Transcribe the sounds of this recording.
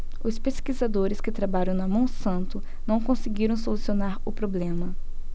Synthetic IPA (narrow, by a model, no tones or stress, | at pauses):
ʊspeskizad̪oɾɪskɪt̪ɾabaʎɐ̃w̃nɐmɐ̃w̃sɐ̃nt̪ʊ | nɐ̃w̃kõsɪɡiɾɐ̃w̃solusionaɾʊpɾoblẽmɐ